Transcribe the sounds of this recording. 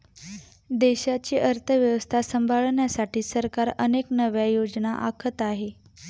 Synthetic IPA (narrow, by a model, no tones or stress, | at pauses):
d̪eɕat͡ɕiːʔəɾt̪ʰəʋjəʋəst̪ʰasəmbʱaɭɳjasaʈʰiːsəɾkaɾəneknəʋjajod͡znaʔakʰət̪aɦe